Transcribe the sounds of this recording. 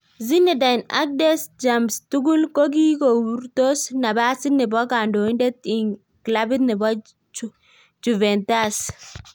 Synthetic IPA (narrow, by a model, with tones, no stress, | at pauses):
zi˦nɛ˨da˨jna̰˦k̚dɛ˦sd͡ʒa˨mstu˦ɡu˦lko˦ɡ̬i˦ko˨wu˦ɾto˦sna˨ba˦sɪ˦nɪ˨bɔ˦ka˨ndo˨i˦ndɛ˦t̪i˨ŋ | kla˦bɪ˦t̪nɪ˨bɔ˦ | d͡ʒu˨vɛ˨nta˦s